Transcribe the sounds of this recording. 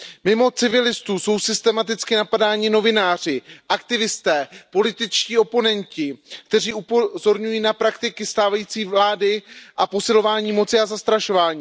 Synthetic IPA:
mɪmo̞t͡sɪvɪlɪst̪uːso̞wsɪst̪ɛmat̪ɪt͡skɪnapadaːɲɪno̞vɪnaːr̝ɪʔakt̪ɪvɪst̪ɛːpo̞lɪt̪ɪt͡ʃciːo̞po̞nɛncɪkt̪ɛriːʔupozo̞ɾɲujiːnapɾakt̪ɪkɪst̪aːvajiːt͡siːvlaːdɪʔapo̞sɪlo̞vaːɲiːmo̞t͡sɪazast̪ɾaʃo̞vaːɲiː

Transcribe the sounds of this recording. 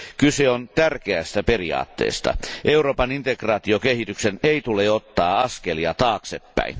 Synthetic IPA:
kyseont̪ærkeæst̪æperiɑ̰ːt̪ːḛːst̪ɑ̰ʔeuroːpɑnint̪ekrɑːt̪iokehit̪ykseneit̪uleot̪ːɑːɑskeliɑt̪ɑːksepːæ̰in

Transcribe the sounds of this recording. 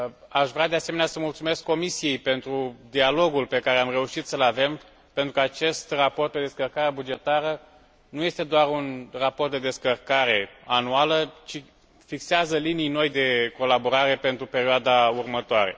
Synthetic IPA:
aʃvɾʲead̪e̞aseme̞nʲasəmult̪sume̞skːo̞misije̞jpe̞nt̪ɾud̪ialo̞ɡulpe̞kaɾeamre̞uʃit̪səlave̞m | pe̞nt̪ɾukəat͡ʃe̞st̪rapo̞rt̪̚d̪e̞d̪eskərkaɾabud͡ʒe̞t̪aɾə | nuje̞st̪e̞d̪oaɾunrapo̞rt̪̚d̪e̞d̪e̞skərkaɾe̞anualət͡ʃi | fikseazəlinijno̞jd̪e̞ko̞labo̞ɾaɾe̞pe̞nt̪ɾupe̞ɾioad̪aurmət̪oaɾe̞̰

